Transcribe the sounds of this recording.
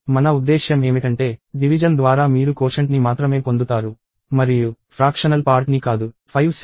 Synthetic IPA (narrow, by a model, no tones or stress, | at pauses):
mɐnɐud̪ːɛːʃjɐme̞ːmiʈɐɳʈe̞ːɖiʋid͡ʒɐnd̪ʋaːɾaːmiːɾukoːʂɐɳʈnimaːt̪ɾɐme̞ːpo̞nd̪ut̪aːɾu | mɐɾijupʰɾaːkʂɐnɐlpaːɾʈnikaːd̪upʰɐjʋ